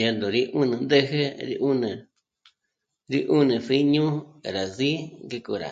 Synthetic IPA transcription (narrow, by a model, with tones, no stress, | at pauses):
a˧nd̪õ˨ɾi˦ʔũ˦nĩ˨˧nd̪e˦ɦe˦ɾḭ˧˦ʔu˦nẽ˨ | ɾi˦ʔu˦nẽ˨si˦ɲũ˦˨ɾa˨zi˦ŋɡe˧kṵ˧˨ɾa̰˨